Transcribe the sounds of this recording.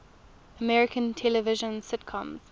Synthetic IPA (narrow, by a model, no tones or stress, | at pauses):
əmɛɹɪkʰə̃ntʰɛləvɪʒə̃nsɪtkʰɔ̃mz̥